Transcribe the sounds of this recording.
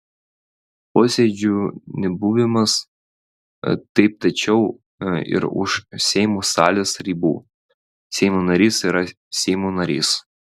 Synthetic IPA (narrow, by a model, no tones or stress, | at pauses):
poːsʲed͡ʒʲunʲɛbuːʋʲɪmɐs | t̪ɐɪp̚t̪ɐt͡ʃʲɛʊ | ɪ̰ɾʊ̰ʃsʲɛɪmuːsɑ̰ːlʲeːsɾʲiːbṵː | sʲɛɪmuːnɐɾʲiːsiːɾɐ | sʲɛɪmuːnɐɾʲḭːs